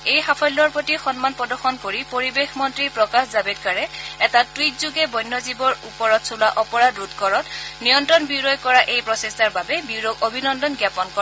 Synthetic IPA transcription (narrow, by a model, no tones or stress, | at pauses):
ejxapʰɔjlːɔɹpotixɔnmanpɔdɔɹxɔnkoɹipoɹibexmɔntɹipɹɔkaxzabet̚kaɹɛɛtatwitzuɡɛbɔjnːɔzibɔɹupɔɹɔtsulaʔɔpɔɹadɹutkɔɹɔtnijɔntɹɔnbiɹɔjkɔɹaʔejpɹɔsestaɹbabɛbiɹɔɡobʱinɔndɔnɡjapɔnkɔ